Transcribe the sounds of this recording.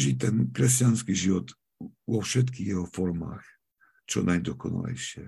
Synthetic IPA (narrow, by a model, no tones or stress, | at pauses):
ʒit̪ɛnkɾɛscanskiʒiʋɔt̪ | vɔfʃɛt̪kiːxjɛɦɔfɔɾma̰ːx | t͡ʃɔ̰najd̪ɔkɔna̰lɛ̰jʃɪɛ̰